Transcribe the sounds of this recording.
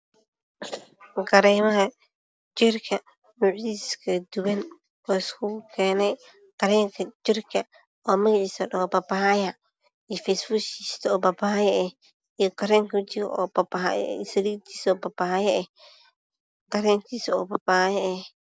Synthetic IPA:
ɡɐɾɛːmɐɦɐ | t͡ʃɪrkʰɐ | mʊʕdiskʰɐd̪ʊwɐn | wɑːɪskʰʊkʰɛːnɛj | ɡ̥ɐɾɛːŋkʰɐt͡ʃɪrkʰɐ | ɔːmɐɣɑʕiːsɐɗɔbɐbɐɐjɐ | ijfɛjsbʊiːst̪ʰɐɔːbɐbajɛɛh | ijɔɡɐɾɛːŋkʰt͡ʃɪɾ̰ʔɔ̰ːbɐb̰sɐlit̪ʰiːsɔːbɐbɐhɐjɐʔɛh | ɡ̥ɐɾɛːŋkʰiːsɔːbɐbajɛɛh

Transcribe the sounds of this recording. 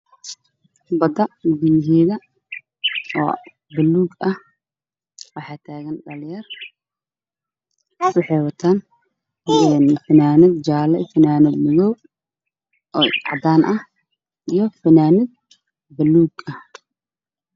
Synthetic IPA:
bɐd̪ɐmɪd̪mɪɦiːðɐ | ɔ̰ː | bɐlːuːɡɐh | wɑħɑːt̪ʰaːɣɐnɖɐljɐr | ɑħɛːwɐt̪ʰaːn | ɛnfɐnaːnɪd̪d͡ʒaːlɐfɐnaːnɪd̪mɪðɔw | ʔɔːɑ̰ʕ̰d̪aːnʔɐh | ʔijɔfɐnaːnɪd̪̚ | bɐlːuːɡɐh

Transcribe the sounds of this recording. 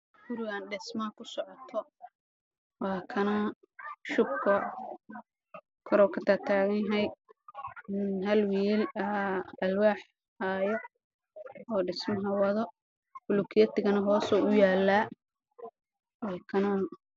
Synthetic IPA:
ɡ̥ʊɾɪɣaːnɖɪsmɐkʰʊsɔʕɔt̪ʰɔ | wɑːkʰɐnɔ | ʃʊb̚kʰɔ | kʰɔɾɔːkʰɐt̪ʰat̪ʰaːɣɐjɦɐj | ɪnhɐlwiːlɐɐlwaːħ | haːjɔ | ɔːɖɪsmɐɦɐwɐðɔ | hʊlʊkʰɪjɐt̪ɪɣɐnɐɦɔːsɔːʔʊjaːlːaː | wɑːkʰɐnɔ

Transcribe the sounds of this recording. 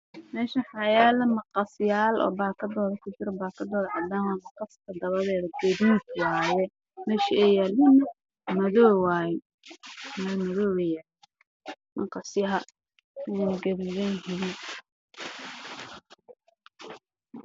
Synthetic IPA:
mɛːʃɐħɑjɛːlɐmɐqɑsjaːlʔɔ̰ːbaːkʰɐd̪ɔːðɐkʰʊt͡ʃɪɾɔbaːkʰɐd̪ɔːðʕɑd̪aːwɑmɐqɑskʰɐd̪ɐβɐðɛːðɐɡɐðiːd̪wɑːjɛ | mɛːʃiɛjɐlɪnɐ | mɐðɔːwaːjɛ | mɐmɐðɔːwɛjɐ | mɐqɑsjɐɦɐ | wɐɡɐβiβɛnɦɪli

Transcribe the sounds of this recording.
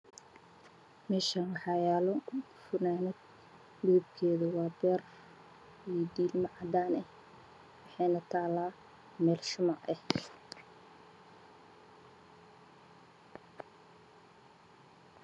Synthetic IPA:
mɛːʃanwɑħɑjaːlɔʊ | fʊnaːnɛd̪ | duːbkʰɛːðɐwɑːbɛːr | ijd̪iːlmɐʕɑd̪aːnɛh | wɑħɑjnɐt̪ʰaːlaː | mɛːlʃʊmaʕɛh

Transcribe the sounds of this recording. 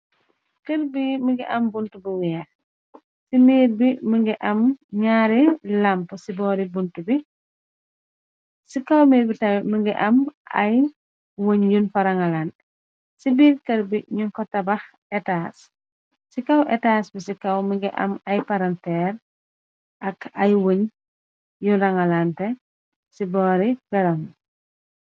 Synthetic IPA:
kɐɾbiməŋɡiʔɐmbuntubuwɛːx | siniːɾbiməŋɡiʔɐmɲaːɾɛlɐmpəsibɔːɾibuntubi | sikɐwmɛbitɐməŋɡiʔɐmʔɐ̰j | woɲjunfɐɾɐŋɐlan | sibiːɾkɐɾbiɲuŋkɔtɐbɐx | ɛtas | sikɐwʔɛtasbisikɐwmiŋɡiʔɐ̰mɐjpɐɾɐntɛːɾ | ʔɐkɐjwoɲ | junɾɐŋɐlantɛ | sibɔːɾiɡɐɾɐn

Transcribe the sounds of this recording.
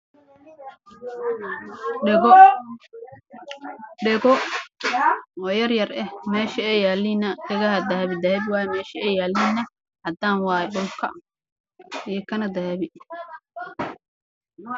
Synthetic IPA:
ɖɛɣɔ | ɔːjɐrjɐrɛhmɛːʃɐɛjaːlinɐkɐɣɐhɐd̪ɐɦɛβɪd̪ɐhɛβɪwɑːjɛmɛːʃɐɛjaːlinːɐ | hɐd̪aːnwɑːjɛɗʊlkʰɐ̰ | ijɐkʰɐnɐd̪ɐhɛβɪ

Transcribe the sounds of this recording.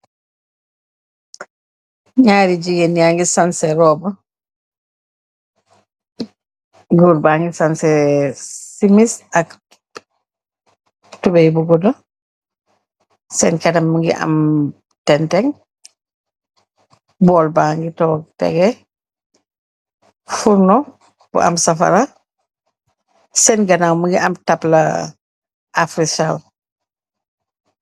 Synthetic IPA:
ɲaːɾiɟiɡenjaŋɡisansɛɾɔːbə | ɡuɾbaːŋɡisansɛ | simisak | tubɛjbuɡɔdɔ | sɛnkɛdamŋɡḭʔa̰m | tɛntɛŋ | bɔlbaːŋɡitɔːɡtɛ̰ɡɛ | fuɾnɔ | b̥ṵʔɐ̰msɐfɐ̰ɾa | sɛnɡɐnawmuŋɡiʔɐmtɐplɐ̰ | ʔafɾisal

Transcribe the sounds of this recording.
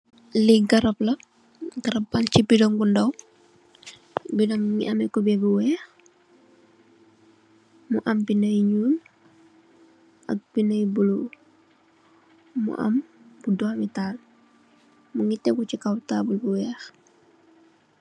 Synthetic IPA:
liɡɐɾɐplɐ | ɡɐɾɐpbalcibidɔŋbundɐw | bidɔŋŋḭʔɐmɛkɔbɛbuwɛːx | muʔɐmbinɐjɲuːn | ʔɐ̰k̚b̥inɐjbulu | mṵʔɐ̰m | b̥udɔmitaːl | muŋitɛɡut͡ʃikawtaːbulbuwɛːx

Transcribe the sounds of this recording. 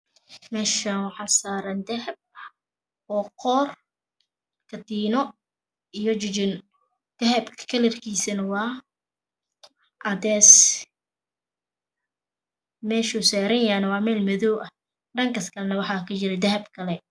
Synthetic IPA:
mɛːʃɐnwɑħɑːsaːɾɐnd̪ɐɦɐb̚ | ɔːqʰɔːr | kʰɐt̪iːnɔ | ijɔt͡ʃɪt͡ʃɪn | d̪̥ɐɦɐbkʰkʰɐlɛrkʰiːsɐnɐwɑː | ʔɐdɛːs | mɛːʃusaːɾɐjanɐwɑːmɛːlmɐðɔwʔɐ | ɖɐŋkɐskʰɐlnɐwɑħɑːkʰʊt͡ʃɪɾɛd̪ɐɦɐbkʰɐlɛ

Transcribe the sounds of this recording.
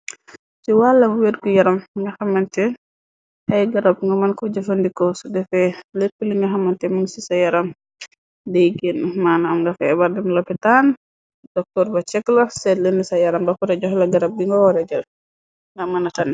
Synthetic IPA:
siwalːɐwedkujɐɾɐmŋɡɐxɐmːɐntɛ | hɐjɡɐɾɐb̚ŋɡɐmɐnkɔd͡ʒɐfɐndikɔsɔdɛfɛlepːəliŋɡɐxɐmːɐntɛmunsisɐjɐɾɐm | dɛjɡenmanɐmŋɡɐfɛ̰bɐɾdɛmlɐpɛtan | d̥ɔk̚tɔɾbɐt͡ʃɛkːlɐsɛlənisɐjɐɾɐmbɐkɔɾɐɟɔhlɐɡɐɾɐb̚diŋɡɔwɔɾɛd͡ʒɐl | ŋɐmɐnɐtɐn

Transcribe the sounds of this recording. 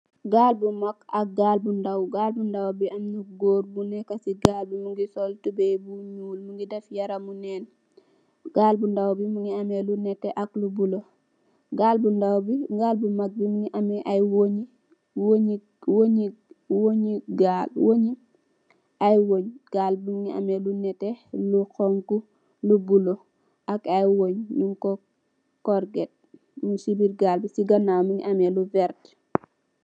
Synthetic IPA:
ɡaːlbumakak̚ɡalbundawɡaːlbundawbiamluɡoːɾbunɛkasiɡaːlbimuŋɡisoltubebuɲuːlmuŋɡidefjaɾamunɛːn | ɡ̥aːlbundawbimuŋɡiamelunɛteʔaklubulo | ɡaːlbundawbiɡaːlbumak̚bimuŋɡiʔamɛʔajwoɲi | woɲi | woɲiwoɲiɡaːlwoɲi | ajwoɲɡ̥aːlbuŋia̰melunɛtelukɔŋku | lubulo | akajwoɲɲuŋko | kɔɾɡet̚ | musibiɾɡaːlbisiɡɐnamiŋḭʔameluvɛɾt

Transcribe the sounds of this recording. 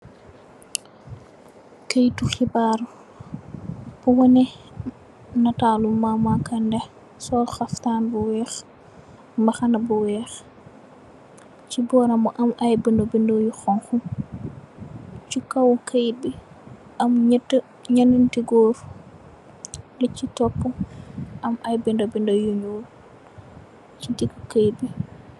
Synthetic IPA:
kajtuxibaɾ | b̥uwɔnɛ | natalumamakandɛ | sɔxaftanbɔwɛx | mbaxanabɔwɛx | t͡ʃibɔɾamɔʔamʔajbindɔbindɔjuxɔnxum | t͡ʃikawkajbi | ʔamɲətːə | ɲanintiɡoːɾ | lɛt͡ʃːitɔpːuʔamʔajbindɔbindɔjuɲoɾ | t͡ʃitiɡukajbi

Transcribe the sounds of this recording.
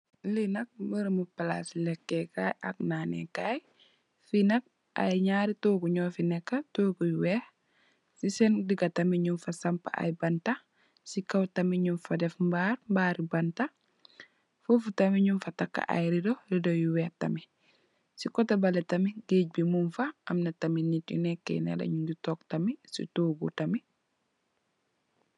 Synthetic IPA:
linɐk̚bəɾmupala̰slɛkːekaːjʔak̚naːnḛkaj | finɐk̚ | ʔa̰jɲaːɾitoːɡuɲɔːfinɛkːatoːɡujuwɛh | sisɛndiɡɐtɐmiɲunfɐsɐmpa̰ʔa̰jbɐnta | sikɐwtɐmiɲunfɐdɛfmbaːɾmbaːɾibɐnta | fufutɐmiɲunfɐtakːa̰ʔa̰jɾidoɾidojuwɛhtɐ̰mi | sikɔtɐbɐletɐmiɡeːɟ̚bimunfaɐmnɐtɐminitjṵnɛkːɛ̰nɛ̰lɐ̰ɲunditɔk̚tɐmisḭtoːɡutɐmi

